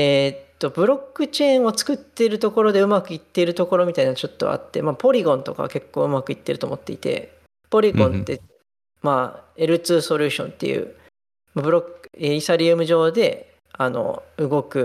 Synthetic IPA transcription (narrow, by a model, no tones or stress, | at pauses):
e̞t̪ːo̞bɯ̟ɾo̞kːɯ̟t͡ɕẽ̞ɰ̃o̞t͡sɨ̥kɯ̟t̪ːe̞ɾɯ̟t̪o̞ko̞ɾo̞d̪e̞ɯ̟makɯ̟it̪ːe̞ɾɯ̟t̪o̞ko̞ɾo̞mʲit̪ainaat͡ɕo̞t̪ːo̞̰a̰t̪ːe̞̰maːpo̞ɾʲiɡõ̞nt̪o̞ka̰ke̞kːo̞ːɯ̟makɯ̟it̪ːe̞ɾɯ̟t̪omo̞t̪ːe̞̰ḭt̪e̞̰ | po̞ɾʲiɡõ̞nt̪ːe̞̰ | mae̞ɾɯ̟t͡sɨːso̞ɾʲɯ̟ːɕõ̞nt̪ːe̞̰jɯ̰ː | mabɯ̟ɾo̞keisaɾʲiɯmɯ̟ʑo̞ːd̪e̞ | ano̞̰ɯ̟ɡo̞kɯ̟